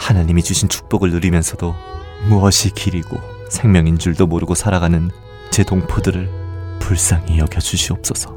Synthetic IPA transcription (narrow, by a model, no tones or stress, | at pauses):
hanaɲimit͡ɕuɕʰint͡ɕʰu̥k̚p͈ʌɡɯɭnuɾimjʌnsʰʌdo | muʌɕʰikiɾiɡo̰ | sʰeŋmjʌŋind͡ʑuɭdomoɾɯɡosʰaɾaɡanɯn | t͡ɕe̞doŋpʰodɯɾɯɭpuɭs͈aŋijʌɡʰjʌd͡ʑuɕʰiʌp̚s͈ʌsʰʌ